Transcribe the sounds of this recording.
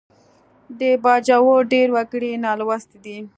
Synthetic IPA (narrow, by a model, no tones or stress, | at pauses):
d̪əbɑd͡ʒawoɖeɾwaɡəɽinɑlwast̪d̪i